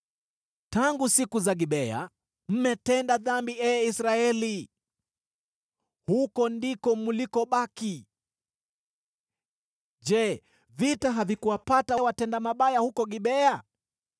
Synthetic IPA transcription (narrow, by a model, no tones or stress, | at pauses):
taŋɡusikuzaɡiɓɛa̰ | m̩mɛtɛndaðambiɛisɾaɛli | hukɔndikɔmulikɔɓaki | d͡ʒɛ | vitaɦavikuwapatawatɛndamaɓajahukɔɠiɓɛa